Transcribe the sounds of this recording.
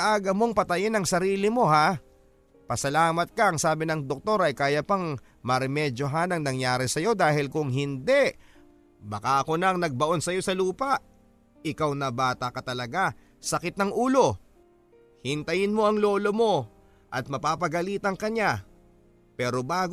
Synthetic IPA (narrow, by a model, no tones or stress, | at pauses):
ʔaːɡɐmoŋpɐt̪ɐjɪnɐŋsɐɾiːlɪmo̞ɦa | pɐsɐlaːmɐt̪̚kɐʔɐŋsaːbɪnɐŋd̪ok̚t̪o̞ɾɐjkaːjɐpɐŋ | mɐɾɛmɛd͡ʒo̞ɦanɐŋnɐŋjaːɾɪsɐjo̞d̪aːhɪlkʊŋɦɪnd̪ɛ | bɐkaʔɐko̞nɐɐŋnɐɡ̚bɐʔo̞nsɐjo̞sɐluːpɐʔ | ɪkawnɐbaːt̪ɐkɐt̪ɐlɐɡa | sɐkɪt̪̚nɐŋʔuːlo̞ | hɪnt̪ɐjɪnmo̞ʔɐŋlo̞ːlomo̞ | ʔɐt̪̚mɐpaːpɐɡɐliːt̪ɐŋkɐɲa | pɛːɾobaːɡ